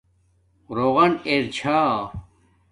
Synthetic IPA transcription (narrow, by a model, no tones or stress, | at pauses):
ɾoʁɐneɾt͡ɕʰaː